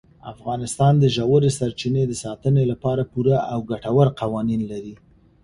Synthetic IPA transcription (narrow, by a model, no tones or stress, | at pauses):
a̰fɣɑnɪst̪ɑnd̪əʒawəɾesaɾt͡ʃined̪əsɑt̪ənelapɑɾapuɾaʔawɡaʈawəɾqɑwɑninlaɾi